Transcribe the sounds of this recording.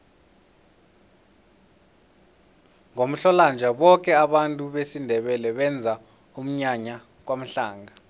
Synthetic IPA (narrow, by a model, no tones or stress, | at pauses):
ŋom̩ɬɔland͡ʒʱaɓɔk̬ʼɛaɓantʼuɓesindʱɛɓɛlɛɓɛnd͡zʱa | um̩ɲaɲa | k̬wam̩ɬaːŋɡa